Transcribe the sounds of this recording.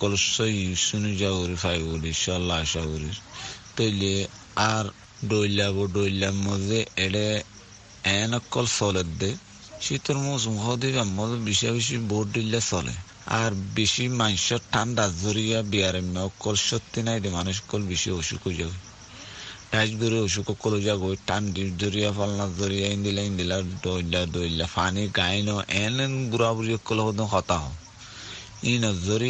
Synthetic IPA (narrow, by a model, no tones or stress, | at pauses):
kːɔlsɔjisunid͡ʒaɡuɾifajbuliʃɔlːaʃaɡuɾiɾt̪oile | aɾ | ɖolaβɔɖojlːamːɔzeɛɽɛ | ɛnɔkːɔlsɔlɛd̪e | ʃit̪ɔɾmũs̬umkad̪iβamːɔzɛbiʃiabiʃ̬iboʈ̚ɖilːasɔlʔɛ̰ | a̰ɾbeʃimanʃɔʈʰːandazɔɾijabiaɾɛmnɔɔkːɔlʃɔt̪ːinajd̪imanuʃ̬ɔ̥kːɔlbeʃioʃṵkɔd͡ʒaɡoj | ɖad͡ʒɡoɾioʃ̬ukɔkːɔlod͡ʒaɡojʈʰandid͡ʒoɾijafɔlnazɔɾijaind̪ilaĩnd̪ilaɖɔlːadolːafʰaniɡajnɔʔɛnɛnɡuɾabuɾiɔkːɔlɔɦɔd̪ɔnxɔt̪aɦɔ̰ | inɔzoɾi